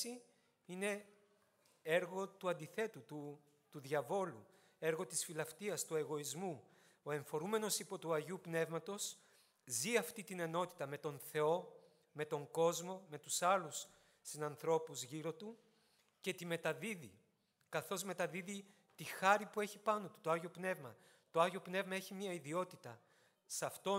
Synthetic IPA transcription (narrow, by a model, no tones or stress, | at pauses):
i | ine̞ | e̞ɾɣo̞t̪uɐnd̪iθe̞t̪ut̪u | t̪uðʝɐvo̞lu | e̞ɾɣo̞t̪isfilɐft̪iɐst̪ue̞ɣo̞izmu | oe̞ɱfo̞ɾume̞no̞sipo̞t̪uɐʝupne̞vmɐt̪o̞s | ziɐft̪it̪ine̞no̞t̪i̥t̪ɐme̞t̪o̞nθe̞o̞ | me̞t̪o̞ŋɡo̞zmo̞me̞t̪usɐlus | sinɐnθɾo̞puzʝiɾo̞t̪u | ce̞t̪ime̞t̪ɐðiði | kɐθo̞zme̞t̪ɐðiði | t̪ixɐɾipue̞çipɐno̞t̪u̥t̪oɐʝopne̞vmɐ | t̪o̞ɐʝo̞pne̞vmɐe̞çimiɐiðio̞t̪it̪ɐ | sɐft̪o̞